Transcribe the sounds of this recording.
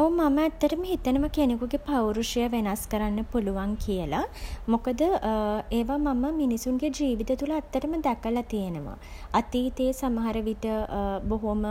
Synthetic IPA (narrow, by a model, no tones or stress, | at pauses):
oumaməæt̪ːəʈəməɦit̪ənəʋəkenekuɡepawɾuʂijəʋenaskəɾanːəpuluʋaŋkijəlamokəd̪əeːʋamaməminisuŋɡed͡ʒiːʋit̪ət̪uləæt̪ːəʈəməd̪ɛkəlat̪ijənəʋa̰ | ɐt̪iːt̪eːsamɐɦaɾəʋiʈəboɦomə